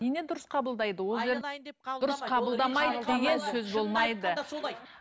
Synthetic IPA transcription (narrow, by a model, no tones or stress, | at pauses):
nene̞d̪ʊɾəsqʰɑbəlˠd̪ɑjd̪əwo̞ʒeɾd̪ʊɾəsqʰɑbəlˠd̪ɑmɑjd̪əd̪e̞ɡʲe̞nsɵzbo̞lˠmɑjd̪ə